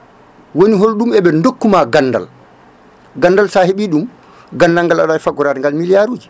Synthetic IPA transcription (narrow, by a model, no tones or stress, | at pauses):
woniɦolɗumɛɓɛndokːumaɡanːda̰l | ɡanːdalsaheɓiːɗum | ɡanːdalŋɡalaɗafaɡɔɾaːdɛŋɡalmilijaɾuːd͡ʒi